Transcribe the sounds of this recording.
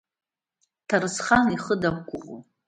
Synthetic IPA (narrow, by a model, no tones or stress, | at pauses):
tʰaɾɨsχaniχədakʷʼʊʁo̰